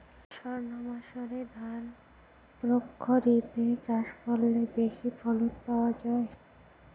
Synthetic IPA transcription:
ʃɔɾnomaʃoɾed̪ʱan | pɾokʰːoɾit̪et͡ɕaʃfɔlːebeʃifɔlotpaoad͡ʑae

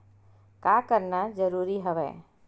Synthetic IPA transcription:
kakəɾnad͡ʒəɾuɾiɦəʋɛ̰

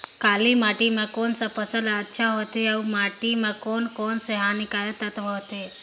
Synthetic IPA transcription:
kalimaʈimãkonsapəsəlaətːʃʰaɦot̪eaumaʈimãkonkonseɦanikaɾət̪at̪oɦot̪e

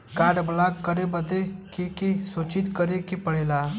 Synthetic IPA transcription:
kaːɖblakkːəɾebəd̪ekekisut͡ʃit̪kəɾekipəɽeːla

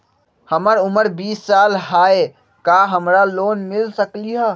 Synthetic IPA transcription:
həməɾʊməɾbiːsːaːlɦaːe | kaɦəmɾaloːnmɪlsəkliɦə

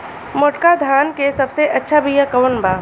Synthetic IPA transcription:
moʈkad̪ʱaːnkesɐbseʔɐtːʃʰabʱijakɐʋənbaː

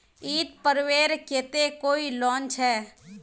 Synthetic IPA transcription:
iːt̪̚pəɾweːɾkeːt̪ekoːilɔ̃ːnt͡ʃʰɦɛː

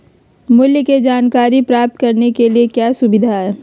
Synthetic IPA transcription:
mʊljəked͡ʒaːnkaːɾipɾaːp̚t̪̚kɐɾnekeliekjaːsʊbɪd̪ʱaɦɛː

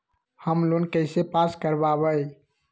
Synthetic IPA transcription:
həmlonkəɪsepaskəɾbaβəj

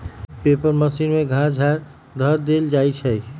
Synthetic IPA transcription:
pepəɾməsinmeɡʱãd͡ʒʱaɾ | d̪ʱəɾd̪eld͡ʒajt͡ʃʰəj

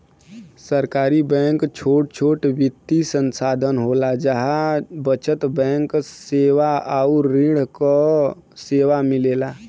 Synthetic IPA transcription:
səɾkaːɾibɛ̃ŋkt͡ʃʰoʈ̚t͡ʃʰoːʈbit̪ːisənsaːd̪ʱənɦolad͡ʒəɦabət͡ʃət̪bɛ̃ŋkseʋaauɾiɽ̤kɔ | seːʋamileːla

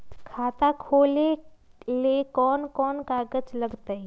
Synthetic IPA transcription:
kʰaːt̪akʰoːlelekɔːnkɔːnkaːɡəd͡ʒlɐɡt̪aɦi

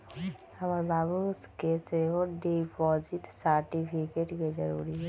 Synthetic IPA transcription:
hɐmaɾbaːbuskeːseɦoɖipɔd͡ʒɪʈsəɾʈipʰikeːʈked͡ʒɐɾṵːɾiɦɛ

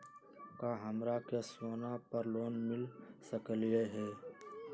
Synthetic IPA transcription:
kaɦəmɾakesoːnapəɾloːnmɪlsəkəljeɦɛː

